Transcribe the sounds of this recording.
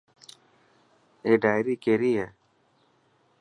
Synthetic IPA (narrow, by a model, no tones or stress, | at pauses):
eːɖaːjɾiːkeɾiːe